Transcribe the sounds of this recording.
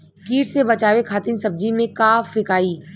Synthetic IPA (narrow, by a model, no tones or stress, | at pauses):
kiːʈsebɐt͡ʃaːʋekʰaːt̪ɪnsɐb̚d͡ʒimẽkaːfɪkaːiː